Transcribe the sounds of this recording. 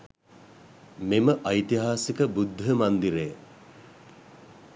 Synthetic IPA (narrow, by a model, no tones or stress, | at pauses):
meməʔɐjt̪iɦaːsikəbud̪ʱːɦəmand̪iɾej